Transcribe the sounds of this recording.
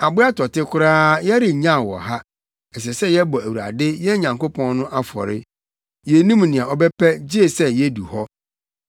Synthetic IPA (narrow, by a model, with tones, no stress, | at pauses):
a˨bʊ˦a˦tɔ˨tɪ˦kʰʊ˦ɾaː˦jɛ˦ɾɪ˨ɲã˦˨wɔ̰˨ɦa˦ | ɛ˨s̬ɛ˨sɛ˦jɛ˦bɔ˨æ˨wu˨ɾa̰˨dɪ˦jɛ˦ɲã˨ŋko˦pʰɔ̃˦nnʊ̃˦ʔa˦fɔ̰˨ɾɪ̰˦ | jɛ˨nũ˦mnɪ̃˨ã˨ɔ˨bɛ˦pʰɛ˦d͡ʑe˦˨sɛ˦jɛ˦du˨hɔ˦